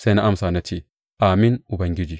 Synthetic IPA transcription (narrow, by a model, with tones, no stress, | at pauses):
se˦na˦a˦msaː˨nɐ˦t̪ʰi˨ | ʔaː˨mi˦nʊ˨bɐ˨ŋɡɪ˦d͡ʒi˨